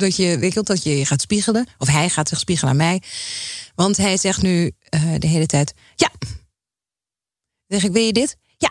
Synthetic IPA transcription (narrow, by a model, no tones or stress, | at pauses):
dɔtjəʋɪkəlˠdɔtjəəxaːtspiɣələɔfɦɛjxaːtsɪxspiɣələa̰nmɛj | ʋɔntɦɛjzɛxtnyədəɦeːlətʰɛjt | ja | zɛxɪkʋɪlˠjədɪt | ja